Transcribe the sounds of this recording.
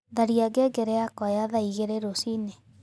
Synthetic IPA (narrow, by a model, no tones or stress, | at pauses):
ðaɾiaɡeɡɛɾɛakɔjaðaiɣeɾeɾosine